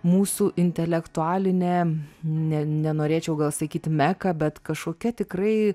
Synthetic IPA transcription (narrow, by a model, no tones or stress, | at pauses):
muːsuːʔɪnʲt̪ʲɛlʲɛkt̪ʊaːlʲɪnʲeːnʲɛnʲɛnoːɾʲeːt͡ʃʲɛʊɡɐlˠsɐkʲiːt̪mʲækɐbʲɛt̪kɐʃkoːkʲɛt̪ʲɪkrɐɪ